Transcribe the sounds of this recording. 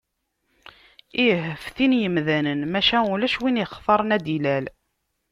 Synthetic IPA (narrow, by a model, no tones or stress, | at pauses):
iɦəfθinjəmðænənmæʃæulæʃwiniχθɑɾˤənæd̪ilæl